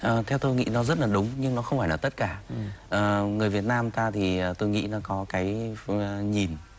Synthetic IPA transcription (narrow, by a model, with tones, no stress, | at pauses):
ʔəː˨˩t̪ʰɛ˧wt̪o˧jŋḭ˧˥nɔ˨˦zə˦˥t̚laː˨˩ɗʊ˨˦ŋ͡mɲɨ˧ŋnɔ˨˦xə˧wŋ͡mfaː˧˩jnaː˨˩t̪ə˦˥t̚kaː˧˩ʔəː˨˩ŋɨ˨˩əjvi˨˩ət̚naː˧mt̪aː˧t̪ʰi˨˩əː˨˩t̪o˧jŋḭ˧˥nɔ˨˦kɔ˨˦kaː˨˦j | ɲi˨˩n